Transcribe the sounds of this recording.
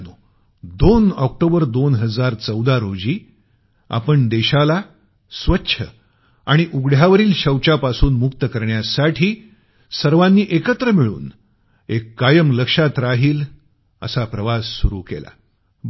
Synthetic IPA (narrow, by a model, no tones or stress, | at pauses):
nuː | d̪onɔk̚ʈobəɾd̪onɦəd͡zaɾt͡səwd̪aɾod͡ʑiː | a̰pəɳd̪eɕala | sʋətːɕʰə | aɽ̃iʔuɡɽ̤jaʋəɾiːlɕəwt͡ɕapasuːnmukt̪əkəɾɳjasaʈʰiː | səɾʋãnːiːʔekət̪ɾəmiɭṵːn | ekːajəmləkʂat̪ɾaɦiːl | ə̰sapɾəʋasːuɾṵːkḛla̰